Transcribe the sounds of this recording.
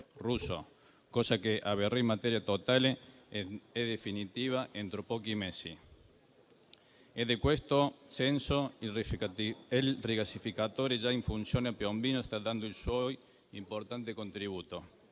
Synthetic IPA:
ruso̰ | kosakeʔaβereimat̪eɾjat̪ot̪ale | ɛd̪efinit̪iːβaʔent̪ɾopɔkimesi | ed̪ekwest̪osɛnso | elrikasifikat̪oːɾed͡ʒaiɱfunsjoːneapjombiːnost̪ad̪and̪oilswɔj | impoɾt̪ant̪ekont̪ɾiβuːt̪o

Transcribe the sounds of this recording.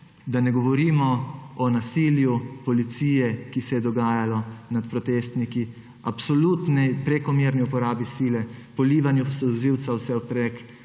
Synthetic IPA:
d̪anɛɡɔʋɔɾiːmɔɔnasiːljupɔlit̪siːjɛkisɛjɛd̪ɔɡaːjalɔnat̪̚pɾɔt̪est̪niki | apsɔlut̪nɛjpɾɛkɔmiːɾniupɔɾaːbisiːlɛpɔliːʋanjusɔziwt̪sawsɛɔpɾɛk

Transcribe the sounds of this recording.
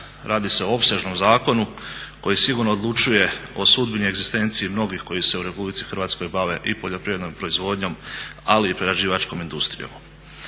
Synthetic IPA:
ɾaːd̪ise̞oo̞pse̞ʒno̞mzaːko̞nuko̞jisiɡuːɾno̞ːd̪lˠut͡ʃuje̞o̞sud̪̚binieɡzist̪e̞nt̪siimno̞ɡixko̞jise̞uɾe̞publit̪si̥xɾ̩ʋaːt̪sko̞jbaʋe̞ʔipoʎo̞pɾiʋɾe̞d̪nompɾo̞izʋo̞d̪ɲo̞maliːpɾeɾad͡ʒiːʋat͡ʃko̞mind̪ust̪ɾḭjo̰m

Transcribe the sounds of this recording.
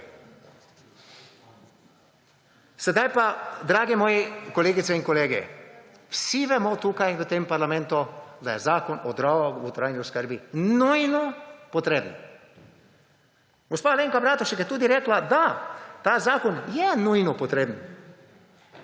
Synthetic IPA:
sɛd̪ajpad̪ɾaːɡɛmɔːjɛkɔleːɡit̪sɛiŋkɔleːɡɛ̰ | wsiʋɛmɔt̪uːkajʋət̪eːmpaɾlamɛ̃nt̪ud̪ajɛzaːkɔnɔd̪ɾaaut̪ɾaːjniuskəɾbinujnɔpɔt̪ɾeːbn | ɡ̥ospaːleːŋkabɾaːt̪ɔʃikjɛt̪uːd̪iɾɛːklad̪at̪azaːkɔnjɛnujnɔpɔt̪ɾeːbn

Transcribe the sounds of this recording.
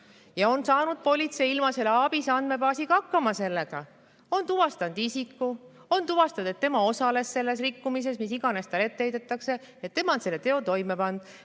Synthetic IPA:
jɑo̞nsɑːnud̪̥̚po̞lʲit̪se̞ilmɑse̞lːeɑbisɑnd̪̥me̞pɑːsikɑɑkːɑmɑse̞lːe̞ɡ̥ɑ | o̞nt̪uvɑst̪ɑnd̪̥isikːu | o̞nt̪uvɑst̪ɑd̪et̪ːe̞mɑo̞sɑle̞sːe̞lːe̞s̬rikːumis̬e̞smisiɡ̥ɑne̞st̪ɑlet̪ːejd̪et̪ːˑɑkse̞ | et̪ːe̞mɑnse̞lːet̪e̞o̞t̪o̞jmepɑnd̪̥

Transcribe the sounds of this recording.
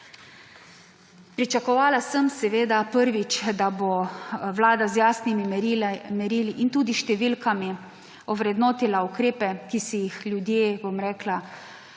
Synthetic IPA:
pɾit͡ʃakɔʋaːlasəmsɛʋeːd̪apəɾʋit͡ʃd̪aboʋlaːd̪azjaːsnimimɛɾiːliʔint̪uːd̪iʃt̪ɛʋilkami | ɔʋɾɛd̪noːt̪ilaukɾeːpɛkisijixlʲjud̪jeːbomɾɛːkla

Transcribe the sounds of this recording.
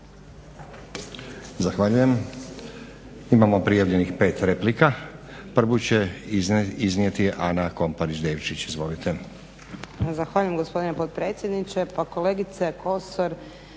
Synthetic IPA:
zaxʋaʎuje̞m | imamo̞pɾijaʋʎe̞nixpe̞ːt̪ɾe̞plika | pr̩ʋut͡ɕe̞ | iznijet̪iʔanako̞mpaɾit͡ʃd̪e̞ːʋt͡ʃit͡ɕizʋo̞lit̪e̞ | zaxʋaʎuje̞mɡo̞spo̞d̪inepo̞t̪̚pɾe̞ːt̪sjed̪nit͡ʃepako̞le̞ɡit̪sekʰo̞soɾ

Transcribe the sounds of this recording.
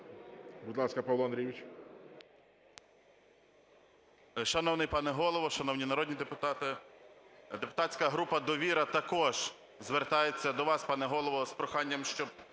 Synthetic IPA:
bud̪lˠɑskɐpɐwlˠɔɐnd̪ɾʲijʋʲit͡ʃ | ʃɐnɔwnɪjpɑnɛɦɔlˠɔʋɔʃɐnɔwnʲinɐɾɔd̪ʲnʲid̪epʊt̪ɑt̪ɪ | d̪epʊt̪ɑtʲt͡sʲkɐɦɾupɐd̪ɔʋʲiɾɐt̪ɐkɔʒ̥ | zʋert̪ɑjet͡sʲːɐd̪ɔʋɑspɑnɛɦɔlˠɔʋɔspɾɔxɑnʲːɐmʃt͡ʃɔb

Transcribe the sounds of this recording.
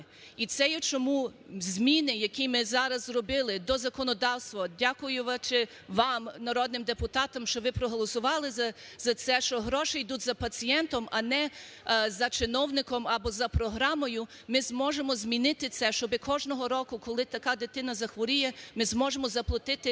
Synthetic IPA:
it̪sɛjɛt͡ʃɔmuzʲmʲinɪjɐkʲimɪzɑɾɐzzrɔbɪlˠɪd̪ɔzɐkɔnɔd̪ɑwst̪ʋɐdʲakʊjʊʋɐt͡ʃɪ | ʋɑmnɐɾɔd̪nɪmd̪epʊt̪ɑt̪ɐmʃt͡ʃɔʋɪpɾɔɦɔlˠɔsʊʋɑlˠɪzɐ | zɐt̪sɛʃt͡ʃɔɦɾɔʃɪjd̪utʲzɐpɐt͡sʲijɛnt̪ɔmɐnɛ | zɐt͡ʃɪnɔwnɪkɔmɐbɔzɐpɾɔɦɾɑmɔjʊ | mɪzmɔʒemɔzʲmʲinɪt̪ɪt̪sɛʃt͡ʃɔbɪkʰɔʒnɔɦɔɾɔkʊkɔlˠɪt̪ɐkɑd̪ɪt̪ɪnɐzɐxʋɔɾʲijɛmɪzmɔʒemɔzɐplˠɔt̪ɪt̪ɪ

